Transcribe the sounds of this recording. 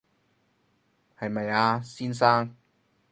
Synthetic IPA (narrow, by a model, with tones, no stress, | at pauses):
hɐ˨jmɐ˨jaː˧siː˥ns̬aː˥ŋ